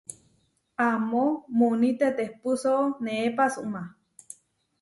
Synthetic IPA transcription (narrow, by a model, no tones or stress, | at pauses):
amomunit̪et̪ehpusoʔoneepasuʔma